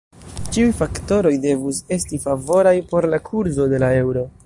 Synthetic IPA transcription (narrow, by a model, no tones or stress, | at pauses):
t͡ʃiujfakto̞ɾo̞jde̞vuse̞stifavo̞ɾajpo̞ɾlakʰuɾzo̞de̞lae̞wɾo̞